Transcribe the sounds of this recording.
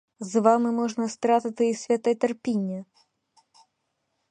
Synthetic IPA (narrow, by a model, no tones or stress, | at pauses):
zvamɨmɔʐnɐst̪ɾat̪ɨt̪ɨisʲvʲɛt̪ɐt̪ɐrpʲinʲːɐ